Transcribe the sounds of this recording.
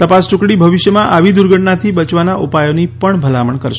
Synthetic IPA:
t̪əpasʈʊ̃kɽibʱəʋɪʃjəmãʔaʋid̪uɾɡʱəʈɳat̪ʰibət͡ʃʋanaʔupajonipəɳbʱəlaməɳkəɾʃe

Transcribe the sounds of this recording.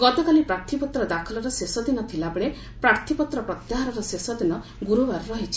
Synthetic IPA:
ɡɔt̪ɔkalipɾaɾt̪ʰipɔt̪ɾɔd̪akʰɔlɔɾɔsesɔd̪inɔt̪ʰilabeɭe | pɾaɾt̪ʰipɔt̪ɾɔpɾɔt̪jaɦaɾɔɾɔsesɔd̪inɔ | ɡuɾubaɾɔɾɔɦit͡ʃʰi̥

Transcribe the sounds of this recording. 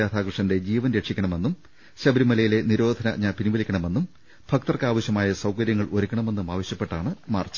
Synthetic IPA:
aːt̪ʰaːkrɨʂɐnde̞d͡ʑiːʋɐnɾeʈʂikʲːɐɳɐme̞nːum | ɕɐbɐɾimɐlɐjile̞niɾo̞ːd̪ʱɐnɐɲaːnpiniʋɐlikʲːɐɳɐme̞nːum | bʰʱɐkt̪ɐrkaːʋɐɕjɐmaːjɐsɐwkɐɾjɐŋːɐɭoɾukʲːɐɳɐme̞nːumaːʋɐɕjɐpːe̞ʈːaːɳɨmaːrt͡ɕːɐ̥

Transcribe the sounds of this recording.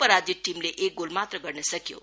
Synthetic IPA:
pəɾad͡ʒiʈimleʔek̚ɡolmat̪ɾəɡʌɾnesəkjo̰

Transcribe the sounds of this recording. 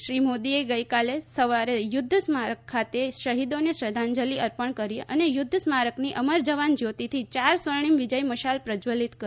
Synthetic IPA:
ʃɾimod̪ieɡəjkalesəʋaɾejʊd̪ʱːəsmaɾəkʰːat̪eʃəɦid̪oneʃɾəd̪ʱãɲd͡ʒəliəɾpəɳkəɾiʔə̰nejʊd̪ʱːəsmaɾəkniʔəməɾd͡ʒəʋand͡ʒjot̪it̪ʰit͡ʃaɾsʋəɾɳ̃imʋid͡ʒəjməʃalpɾəd͡ʒʋəlit̪kə

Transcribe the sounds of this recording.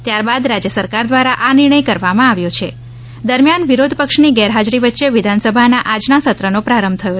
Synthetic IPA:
t̪jaɾbad̪ɾad͡ʒjəsəɾkaɾd̪ʋaɾaʔanɪɾɳ̃əjkəɾʋamãaʋjot͡ʃʰe | d̪əɾmjanʋiɾod̪ʱpəkʃniɡɛɾɦad͡ʒɾiʋətːʃeʋɪd̪ʱansəbʱanaʔad͡ʒnasət̪ɾənopɾaɾəmbt̪ʰəjo

